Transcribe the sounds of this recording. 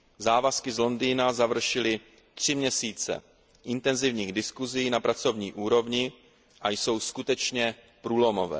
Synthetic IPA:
zaːvaskɪzlo̞ndiːnazavr̩ʃɪlɪ | t̪r̝̥ɪmɲɛsiːt͡sɛ̰ | ʔɪnt̪ɛnzɪvɲiːɣdɪskuziiːnapɾat͡so̞vɲiːʔuːɾo̞vɲɪ | ʔajso̞wskut̪ɛt͡ʃɲɛ | pɾuːlo̞mo̞vɛ̰ː

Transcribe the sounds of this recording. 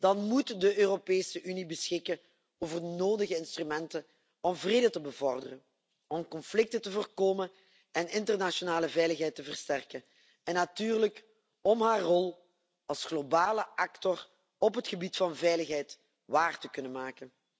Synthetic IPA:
d̥ɑnmutdəʔøːropeːsəʔynibəsxɪkən | oːvərdənoːdəɣəɪnstrymɛntən | ɔmvreːdətəbəvɔrdərən | ɔmkɔnflɪk̚tətəvərkoːmən | ɛnɪntərnasonaːləvɛjləxɦɛjtəvərstɛrkən | ɛnːatyːrlək | ɔmɦaːrːɔlˠ | ɑlˠsxlobaːləʔɑktɔr | ɔpɦətxəbitfɑnvɛjləxɦɛjt | ʋaːrtəkɵnənmaːkən

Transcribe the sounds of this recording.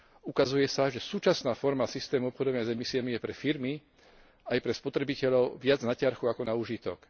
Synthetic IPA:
ukazujɛsaʒɛsuːt͡ʃasnaːfɔɾmasist̪ɛːmuɔpxɔd̪ɔʋaɲazɛmisiamijɛpɾɛfiɾmi | ajpɾɛspɔt̪ɾɛbicɛʎɔʊʋɪad͡znacɪaɾxuakɔnauːʒit̪ɔ̰k

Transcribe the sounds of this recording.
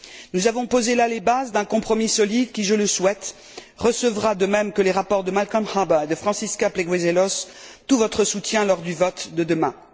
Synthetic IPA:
nuzavɔ̃pozelalebazd̪ɛ̃kɔ̃pχɔmisɔlid̪kʲiʒələswɛt̪ | ʁəsəvʁad̪əmɛmkəleʁapɔʁd̪əmalkɔ̃nhabaed̪əfχɑ̃siskapleɡwezelɔst̪uvɔt̪χəsut̪jɛ̃lɔʁd̪yvɔt̪d̪əd̪əmɛ̃

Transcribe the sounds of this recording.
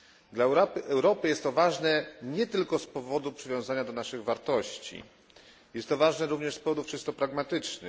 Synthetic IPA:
d̪laɛwɾɔpɘjɛst̪ːɔvaʐnɛɲɛt̪ɘlkɔspɔvɔd̪upʂɨvʲjɔ̃w̃zaɲad̪ɔnaʂɘɣvaɾt̪ɔɕt͡ɕḭ | jɛst̪ːɔvaʐnɛɾuvɲɛʂspɔvɔd̪ufʂɘst̪ɔpɾaɡmat̪ɘt͡ʂnɘ̰x

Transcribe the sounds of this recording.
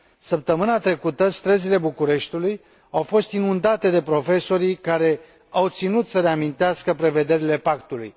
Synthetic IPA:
səp̚t̪əmɨnat̪ɾe̞kut̪əst̪ɾəzile̞bukuɾe̞ʃt̪uluj | awfo̞st̪inund̪at̪e̞d̪e̞pɾo̞fe̞so̞ɾikaɾe̞ | awt̪sinut̪səɾe̞amint̪easkəpɾe̞ve̞d̪e̞ɾile̞pakt̪ulṵj

